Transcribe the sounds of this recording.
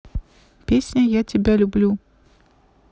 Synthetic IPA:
pʲesʲnʲəjatʲɪbʲalʲʊblʲu

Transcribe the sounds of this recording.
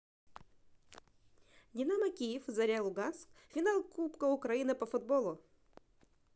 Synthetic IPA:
dʲɪnamɐkʲijɪfzɐɾʲalˠʊɡanskfʲɪnalˠkupkəʊkɾɐinɨpɐfʊd̪bolˠʊ

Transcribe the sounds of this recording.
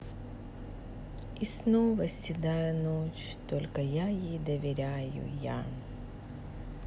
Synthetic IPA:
isnovəsʲɪd̪ajʊnot͡ɕ | t̪olʲkəjajejd̪əvʲɪɾʲajʊ̰ja̰

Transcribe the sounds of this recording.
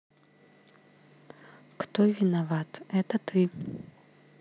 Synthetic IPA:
kt̪ʰɔvʲinavat̪ɛt̪ɐt̪ʰɨ

